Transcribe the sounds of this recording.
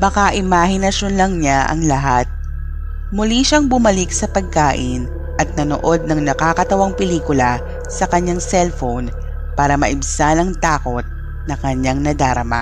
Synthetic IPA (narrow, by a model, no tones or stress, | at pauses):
bɐkaʔɪmaːhɪnɐʃonlɐŋɲaʔɐ̰ŋlɐɦat̪̚ | mʊliʃaŋbʊmɐlɪksɐpɐɡ̚kaːʔɪn | ʔɐt̪̚nɐnoʔod̪̚nɐŋnɐkaːkɐt̪ɐwaŋpɛliːkʊlɐ | sɐkɐɲːaŋsɛlfown | paːɾɐmɐʔɪbsanɐŋt̪aːko̞t̪̚ | nɐkɐɲːaŋnɐd̪aːɾɐma̰